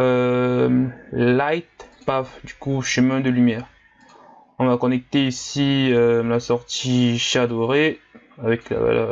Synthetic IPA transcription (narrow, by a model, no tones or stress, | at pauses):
ømlajt̪pafd̪ykuʃəmɛ̃d̪əlymjɛːʁ | ɔ̃vakɔnɛk̚t̪eisiølasɔʁt̪iʃad̪ɔʁe | avɛkla̰va̰lœ̰